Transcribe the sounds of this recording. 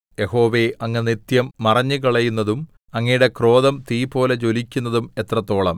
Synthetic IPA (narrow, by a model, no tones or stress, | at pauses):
je̞ho̞ːʋe̞ɐŋːɐnit̪jɐmːɐrɐɲːɨk̬ɐɭɐjunːɐðum | ɐŋːɐjuɽe̞kro̞ːðɐmt̪iːpo̞ːlet͡ɕo̞likʲːunːɐðume̞t̪rɐt̪ːo̞ːɭɐm